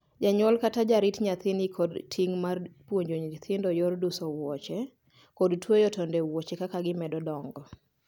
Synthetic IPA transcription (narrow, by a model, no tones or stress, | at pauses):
d͡ʒaɲɔlkatad͡ʒaɾitɲat̪ɪnikʰɔdtʰiŋmarpwoɲd͡ʒoɲt̪ʰɪndɔjɔrdusɔwɔt͡ʃɛ | kɔdtwojɔtɔndɛwɔt͡ʃɛkakaɡɪmɛdɔdɔŋɡɔ